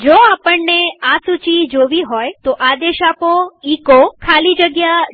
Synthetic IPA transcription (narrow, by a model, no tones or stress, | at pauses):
d͡ʒoapəɳneasut͡ʃid͡ʒoʋiɦojt̪oʔad̪eʃapoikokʰalid͡ʒəɡja